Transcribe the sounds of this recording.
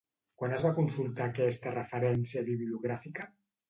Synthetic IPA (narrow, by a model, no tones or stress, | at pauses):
kwanəzβakunsulˠt̪aːkɛst̪ərəfəɾɛnsijəβiβliuɣɾafikə